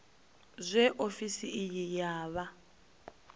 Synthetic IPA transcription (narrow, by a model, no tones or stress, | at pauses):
zʷɛʔofisiʔjijaːβa